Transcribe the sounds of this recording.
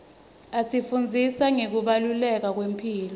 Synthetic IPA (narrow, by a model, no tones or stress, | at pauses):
asifund͡zʱisaŋek̬uɓalulɛk̬ak̬wempʰiːlɔ